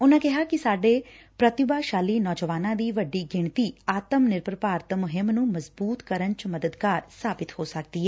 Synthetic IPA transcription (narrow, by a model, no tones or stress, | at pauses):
ʊnãːkɪɦaːkɪsaːɖeː | pɾət̪ɪbaːʃaːliːnɔːd͡ʒəʋaːnãːd̪iːʋəɖːiːɡɪɳt̪iːaːt̪əmnɪɾpɾəpaːɾt̪mʊɦɪmnũːməzbuːt̪kəɾənt͡ʃməd̪əd̪kaːɾsaːbɪt̪hoːsək̚d̪iːɦɛː